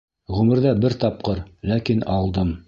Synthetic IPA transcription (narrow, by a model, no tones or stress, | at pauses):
ʁʉmɘ̆ɾðæbɘɾt̪ɑp̚qɤɾlækinɑlˠd̪ɤm